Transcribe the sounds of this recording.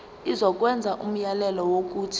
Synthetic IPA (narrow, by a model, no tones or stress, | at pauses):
izɔk̬ʼwɛnd͡zʱaʔum̩jalɛlɔwok̬ʼuːtʰi̥